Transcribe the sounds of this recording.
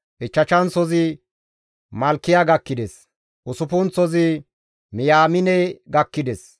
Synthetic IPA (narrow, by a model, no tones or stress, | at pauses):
ʔɪt͡ʃːɐt͡ʃɐnt͡sɔzɪ | mɐlkːɪjaɡɐkːɪd̪ɛs | ʔʊsʊpʊnt͡sɔzɪ | mɪjaːmɪnɛjɡɐkːɪd̪ɛs